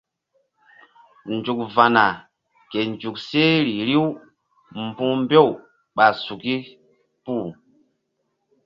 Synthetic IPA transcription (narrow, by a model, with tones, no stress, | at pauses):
n˨d͡ʒu˨kva˨na˨ | ke˨nd͡ʒu˨k̚se˦ɾi˨ɾi˦w | m˦bũ˦m˦be˦˨w | ɓa˨su˨ki˦ | pu˦˨